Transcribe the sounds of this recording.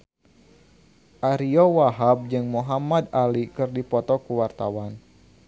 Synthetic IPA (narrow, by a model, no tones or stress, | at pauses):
ʔaɾiɔwaɦab̚d͡ʒɨŋmuɦamad̪alikɨrdipɔt̪ɔkuwart̪awan